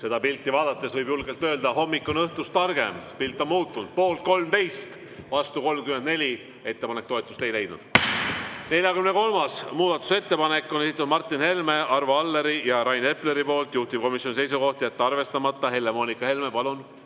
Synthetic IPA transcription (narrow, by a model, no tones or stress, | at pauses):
se̞d̪ɑpilt̪ːˑivɑːd̪̥ɑt̪ːˑe̞svɤjbjulɡe̞lt̪ːˑø̞ːld̪ɑɦo̞mːikːˑo̞nɤht̪ust̪ɑrɡ̥e̞̰mpilt̪ːˑonmuːt̪ˑːund̪̥po̞ːlt̪̚ko̞lmt̪e̞jst̪ | vɑst̪uko̞lmkymed̪ne̞lʲi | e̞t̪ːe̞pɑnek̚t̪oet̪ːˑust̪e̞jle̞jd̪̥nṵd̪̥ | ne̞lʲjɑkymne̞ko̞lmɑsmuːd̪̥ɑt̪ːˑu̥se̞t̪ːe̞pɑne̞kːˑoesit̪ːˑud̪mɑrt̪ˑːinhe̞lme̞ʔɑrvoɑlːe̞ɾijɑɾɑjne̞ple̞ɾipo̞ːlt̪juht̪ip̚ko̞misʲːjo̞nise̞jsuko̞ht̪iet̪ːeɑrve̞st̪ɑmɑt̪ːˑɑhe̞lːe̞mo̞ːnikːˑɑhe̞lmepɑlun